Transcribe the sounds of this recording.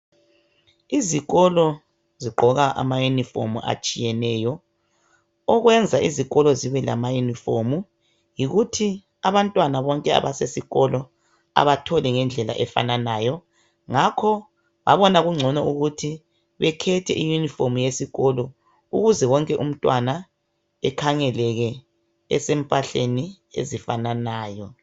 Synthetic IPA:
iziɣɔlɔ | ziɡ͡ǃʱɔɣaʔa̰majunifo̰mṵʔa̰t͡ʃʼijɛnɛːjɔ | ɔɣwɛnd͡zʱaʔiziɣʼɔlɔziβɛla̰majunifomu | jiɣutʰi | aβantʼwanaβɔŋkʼɛa̰βasesiɣɔlɔ | a̰βatʰɔlɛŋɛnd͡ɮʱɛla̰ʔɛfa̰nanaːjɔ | ŋakʰɔ | βa̰βɔnaɣuŋ͡ǀʱɔnɔuɣutʰi | βɛkʰɛtʰɛ̰ʔijunifomujesiɣɔlɔ | uɣuzɛwɔŋkʼɛʔum̩tʼwana | ɛkʰaŋɛlɛɣɛ | ɛ̰sempʼaɬeni | ḛzifananaːjɔ

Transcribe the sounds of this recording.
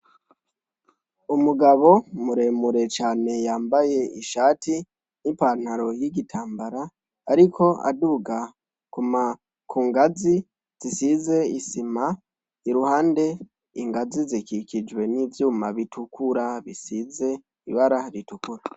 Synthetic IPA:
umuɡaβo̞muɾe̞ːmuɾe̞t͡ʃaːne̞jaːmbaje̞iʃaːti | nipaːn̥haɾo̞jiɡitʰaːmbaɾaː | ɾikʰo̞a̰duɡa | kuma | kʰuːŋɡazi | z̥isize̞isima | iɾuhaːnde̞ | ḭŋɡazizikikid͡ʒwe̞nivjuːmaβitʰukuɾaβisize̞ | iβaɾaɾitukuɾa

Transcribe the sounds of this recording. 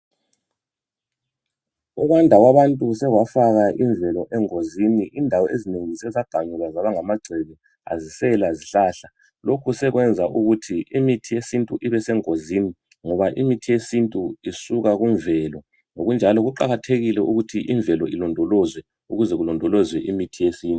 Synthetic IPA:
ɔɣwandʱaɣwaβantʼusɛɣwafaɣaʔiɱvʱɛlɔʔɛŋoziniʔindʱawɔezineŋisɛzaɡ̥ʱaɲuɣazaβaŋamaɡ͡ǀʱɛβɛ | a̰zisɛlaziɬaːɬa | lokʰusɛɣwɛnd͡zʱaʔuɣutʰiimitʰijesintʼuʔiβɛsɛŋoziːni | ŋɔβaʔimitʰijesintʼuisuɣaɣuɱvɛlɔ | noɣund͡ʒʱalɔɣuǃaɣatʰeɣilɛuɣutʰiʔiɱvʱɛlɔilɔndʱɔlɔzwɛ | uɣuzɛɣulɔndʱɔlɔzwɛʔimitʰijesiːntʼu

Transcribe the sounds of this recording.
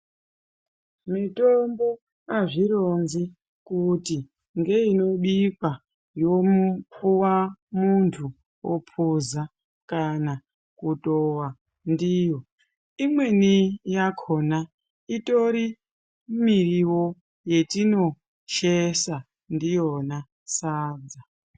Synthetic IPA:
mitombo̞ | aʐiɾonzi | kuti | ŋɡeino̞ɓipa | jo̞puwamuntʰu | wo̰pʰuza | kana | kutowa | ndiːjo̞ | imwe̞nijakʰona | ito̞ɾi | miriwo̞ | je̞tino̞ | ʃesa | ndijona | saːd͡za

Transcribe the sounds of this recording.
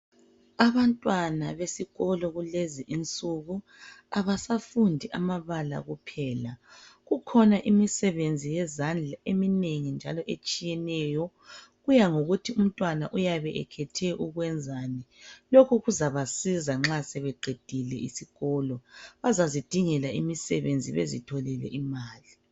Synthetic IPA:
aβantʼwanaβesiɣɔlɔɣuleziʔint͡sʼuɣu | aβasafundʱiʔamaβala̰ɣupʰɛːlaɣukʰɔnaʔimisɛβend͡zʱijɛzand͡ɮʱaʔemineŋind͡ʒʱalɔʔet͡ʃʼijɛnɛːjɔ | ɣujaŋoɣutʰium̩tʼwanaʔujaβɛʔɛ̰kʰɛtʰɛʔuɣwɛnd͡zʱaːnɛlokʰuɣuzaβasizaŋ͡ǁasɛβɛɡ͡ǃʱed̥ʱilɛʔisiɣɔːlɔβazazid̥ʱiŋɛlaimisɛβend͡zʱḭβḛzḭtʰɔlɛlɛ̰ʔimaːli

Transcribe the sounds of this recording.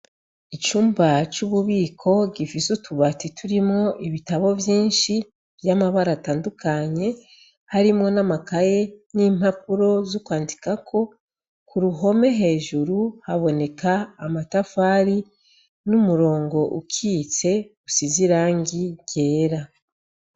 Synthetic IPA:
it͡ʃuːmbat͡ʃuβuβiːkʰo̞ɡifisutʰuβatitʰuɾimŋo̞ʔiβitaβo̞vjiːnʃi | vjamaβaɾataːndukaɲe̞ | haɾimŋo̞namakaje̞niːmap̚uɾo̞zokwaːndikakʰo̞ | kuɾuɦo̞me̞ɦe̞ːʒuɾuhaβo̞ne̞kaːmatafaːɾi | numuɾo̞ːŋɡo̞ʔukʰiːt͡se̞usiziɾaːŋɡiɟe̞ːɾa

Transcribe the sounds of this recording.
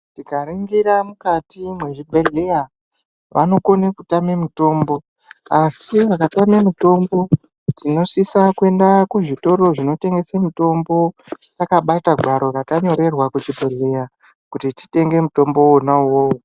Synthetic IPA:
tikaɾiŋɡiɾamukatimwe̞ʐibʱeɮeja | ʋʔa̰no̞ko̞nekutame̞muto̞ːmbo̞ | asiʋakatame̞muto̞mbo̞ | tino̞ʂisakue̞ndakuʐito̞ɾo̞ʐino̞te̞ŋɡe̞semito̞mbo̞ | t͡sakaɓataɡʱwaɾo̞rataɲo̞ɾe̞rwakut͡ʃibʱe̞leja | kutiti̥te̞ŋɡe̞muto̞mbo̞wonawoːwo

